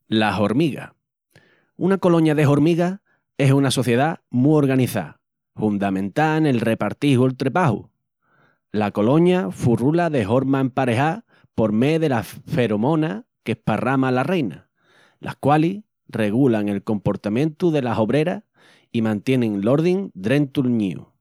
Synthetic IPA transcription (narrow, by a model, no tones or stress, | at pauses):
laɦo̞ɾmiɣa̰ | unako̞lo̞ɲaðe̞ɦo̞ɾmiɣa | e̞sunaso̞θje̞ðamuo̞ɾɣaniθa̰ | fund̪amẽ̞nt̪aene̞lre̞paɾt̪ihuelt̪ɾe̞pahṵ | lako̞lo̞ɲafurulaðe̞ɦo̞ɾmaempaɾe̞ɦa | po̞ɾme̞ðe̞lafe̞ɾomõ̞na | kehparamalare̞jna | lʔa̰hkwali | re̞ɣulaŋe̞lko̞mpo̞ɾt̪amjẽ̞nt̪uðe̞laɦo̞βɾe̞ɾa | imãnt̪je̞nẽŋlo̞ɾðiŋd̪ɾe̞nt̪ulɲḭṵ